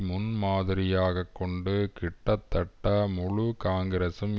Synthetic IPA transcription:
mʊnmaːðɪɾɪjaːɣɐkːɔɳɖɯkɪʈːɐt̪ːɐʈːɐmʊɻukaːŋɡɐɾesɯm

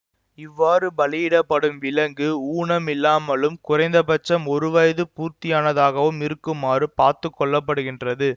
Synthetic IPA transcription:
ɪʋːaːrɯbɐlɪjɪɽɐpːɐɽɯmʋɪlɐŋɡɯuːnɐmɪlːaːmɐlɯmkʊrɐɪnd̪ɐpɐt͡ʃːɐmɔɾɯʋɐjðɯpuːɾt̪ɪjaːnɐðaːɣɐʋɯmɪɾɯkːɯmaːrɯpaːɾt̪ɯkːɔɭːɐpːɐɽɯɣɪndrɐðɯ

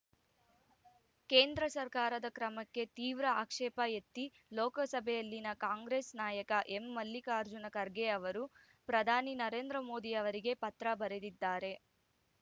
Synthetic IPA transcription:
keːnd̪ɾɐsɐɾkaːɾɐd̪ɐkɾɐmɐkːe̞t̪iːʋɾɐaːkʂɛːpɐjet̪ːi | loːkɐsɐbʱɛjɐlːinɐkaːŋɡɾeːsnaːjɐkɐʔemːɐlːikɐːɾd͡ʒunɐkɐɾɡeɐʋɐɾu | pɾɐd̪ʱaːninɐɾe̞ːnd̪ɾɐmo̞ːd̪iɐʋɐɾiɡe̞pɐt̪ɾɐbɐɾed̪id̪ːaːɾe̞

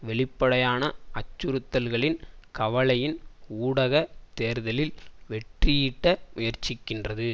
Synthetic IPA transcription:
ʋɛɭɪpːɐɽɐjaːnɐɐt͡ʃːʊɾɯt̪ːɐlɣɐɭɪnkɐʋɐɭɐjɪnuːɽɐɣɐt̪eːɾðɐlɪlʋɛʈrɪjɪʈːɐmʊjɐɾt͡ʃɪkːɪndrɐðɯ

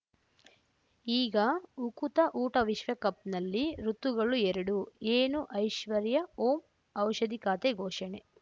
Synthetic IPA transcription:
iːɡɐukut̪ɐʔuːʈɐʋiʃʋɐkɐp̚nɐlːiɾut̪ːuɡɐɭuɛɾɐɽueːnuʔɐjʃʋɐɾjɐoːm | ɐwʃɐd̪ikaːt̪eɡʱoːʃɐɳe

